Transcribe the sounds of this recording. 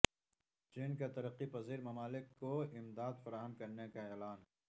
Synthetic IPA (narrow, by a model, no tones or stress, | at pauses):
t͡ʃiːnkat̪ɐɾəqːipɐziːɾmɐmaːlɪkːoɪmd̪aːd̪fɐɾaːɦəmkɐɾnekaɛːlaːnɦ